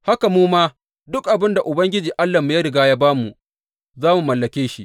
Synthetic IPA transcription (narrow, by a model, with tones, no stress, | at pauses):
ha˦ka˨muː˦maː˦ | dʊ˦kʔa˨bɪ˦nda˨ʔʊ˨bɐ˦ŋɡʲɪ˦d͡ʒiː˨ʔa˦lːa˨mu˨ja˦ɾɪ˨ɡaː˦jaː˦baː˦mu˨ʔ | zaː˦mu˨mɐ˨lːɐ˨kʲeː˦ʃi˦ʔ